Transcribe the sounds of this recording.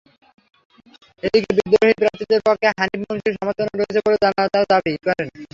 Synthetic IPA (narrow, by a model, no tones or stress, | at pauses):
ed̪ikebid̪ɾoɦipɾant̪id̪eɾpɔkʰːeɦanibmonʃiɾʃɔmot̪ʰonoɾoɦet͡ɕʰeboled͡ʑanaɾt̪aɾd̪abikɔɾen